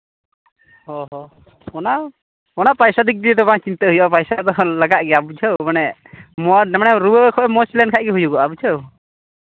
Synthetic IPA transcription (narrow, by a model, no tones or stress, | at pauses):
hɔɦɔ | ɔna | ɔnapajsad̪ik̚d̪iɛd̪ɔbat͡ʃint̪əɦujɔʔɔpajsad̪ɔlaɡaʔ̚ɡɛabut͡ʃʰəwmanɛmɔnɛmanɛɾubəkʰɔʔɛmɔsilɛnkʰaʔ̚ɡɛɦujuɡɔʔabut͡ʃʰəw